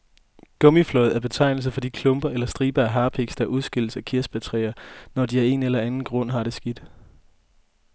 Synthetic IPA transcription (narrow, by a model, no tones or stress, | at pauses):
ɡ̥ɔ̽miflɔ̽ðˠæɐb̥e̝t͡sʰɑ̈ɪnl̩səfɒ̽d̥ikʰlɔ̽mb̥ɐelɐsd̥ʁiːb̥ɐæɦɑ̈ːpʰeɡ̥sd̥ɑʔuðˠsɡ̥el̰əsækʰiɐsb̥æt͡sʰʁɛɪɐnɒd̥iæɐe̝nelɐænn̩ɡ̥ʁɔ̽n̰ɦɑ̈ɾ̥e̝sɡ̥id̥